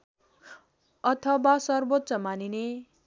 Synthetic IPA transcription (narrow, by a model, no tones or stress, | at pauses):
ʌt̪ʰʌbasʌrbot̪ːsʌmanine